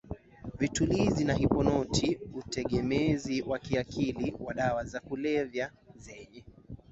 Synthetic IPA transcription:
vitulizinaɦipɔnɔtʰiutɛɠɛmɛziwakiakʰiliwaɗawazakulɛvja | zɛɲɛ

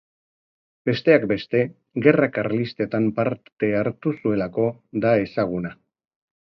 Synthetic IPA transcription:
be̞st̪e̞akbe̞st̪e̞ | ɣe̞rakaɾlist̪e̞t̪ampaɾt̪e̞aɾt̪usue̞lako̞ðae̞saɣ̞una

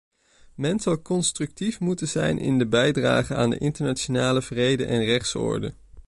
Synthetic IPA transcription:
mɛnsɑwkɔnstrɵk̚tifmutənzɛ̰jnʔɪ̰ndəbɛjdra̰ːχəaːndə̰ʔɪntəɹnat͡ʃonaːləvrejdə̰nʔɛnrɛχtsɔ̰ːɹdə̰

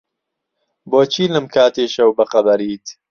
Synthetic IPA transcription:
boːt͡ʃʰiːlɨmkʰaːt̪eːʃɐwbɐqɐbɐɾiːt̪

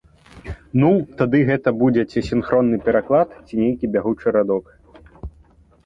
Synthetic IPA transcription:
nut̪ad̪ɨɣɛt̪ɐbud͡zʲɛt͡sʲɛsʲinxɾɔnːɨpʲɛɾaklˠat̪t͡sʲinʲejkʲibʲaɣut͡ʂɨɾad̪ɔk

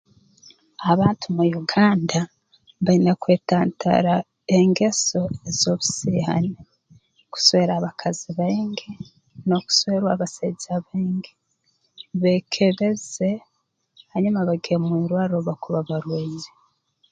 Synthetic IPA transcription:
aβaːntumujuɡaːnda | βainakwe̞ːtaːntʰa̰ɾa | eŋɡe̞so̞ezo̞βusiːha̰ne | ku̥soβeɾaβakʰaziβaŋɡe | no̞ku̥soβeɾwaβaseɟaβeːŋɡe | βekʰe̞βe̞ze̞ | haɲumaβaɡiemwiːɾwaːɾɾoβakuβaβaɾweːɲi̥

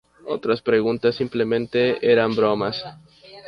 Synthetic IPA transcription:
o̞̰t̪ɾaspɾe̞ɣunt̪asːimple̞mẽ̞nt̪e̞eɾambɾo̞mas

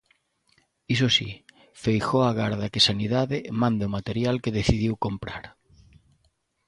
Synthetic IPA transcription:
is̬osḭ | fejxoaɣaɾðakesaniðaðɪmãnd̪ʊmat̪eɾjalkeðeθiðiwkompɾa̰ɾ

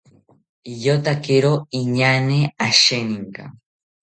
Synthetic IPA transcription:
jot̪akɪɾoiɲaneaʃenɪŋka̰

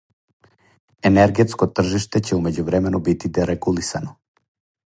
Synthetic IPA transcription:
ɛnɛɾɡɛt̪skɔt̪r̩ʒiʃt̪ɛcɛumɛɟuvɾɛmɛnɔbit̪id̪ɛɾɛɡulˠisanɔ

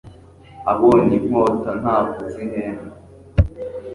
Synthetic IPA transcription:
aβonimoːtan̥aːbɡozineːna

